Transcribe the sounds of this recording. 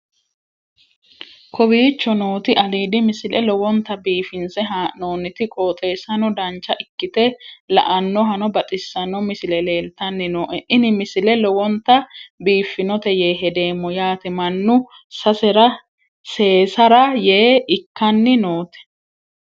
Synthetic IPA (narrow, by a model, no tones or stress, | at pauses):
kʰɔbiːt͡ʃːɔnoːt̪ɪʔɐliːd̪ɪmɪsɪlʔɛlɔwɔnt̪ɐbiːfɪnsɛɦano̞ːnːɪt̪ɪkʼoːt̪ʼe̞ːsɐnɔd̪ɐnt͡ʃːɐʔɪkːɪt̪ɛlɐ̰ʔɐnːɔɦɐnɔbɐt̪ʼɪsːɐnɔmɪsɪlɛle̞ːlt̪ɐnːɪnɔːʔɛʔɪnɪmɪsɪlɛlɔwɔnt̪ːɐbiːfːɪnɔt̪ɛje̞ːɦɛd̪e̞ːmːɔjaːt̪ɪmɐnːʊ | sɐsɛɾɐ | se̞ːsɐɾɐjeːɪkːɐnːɪnoːt̪ɛ̥